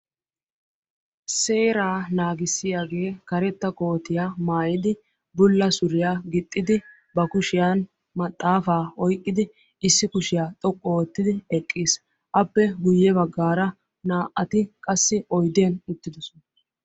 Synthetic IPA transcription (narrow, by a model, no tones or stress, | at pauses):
se̞ːɾaːnaːɡɪsːɪjaːɡe̞ːkɐɾɛt̪ːɐkʼo̞ːt̪ɪjamaːjɪd̪ɪ | bʊlːɐsʊɾɪjaːɡɪt̪ʼːɪd̪ɪ | bɐkʊʃɪjan | mɐt̪ʼːaːfaːɔjkʼːɪd̪ɪ | ɪsːɪkʊʃɪjaːt̪ʼɔkʼːɔːt̪ːɪd̪ɪɛkʼːiːs | ʔɐpːɛɡʊjːɛbɐɡːaːɾɐ | naːʔːɐt̪ɪkʼɐsːɪʔɔjd̪enʊt̪ːɪd̪ɔsɔn